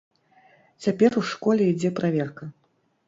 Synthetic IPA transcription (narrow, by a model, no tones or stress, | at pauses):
t͡sʲapʲɛruʂkɔlʲɛid͡zʲɛpɾavʲɛrkɐ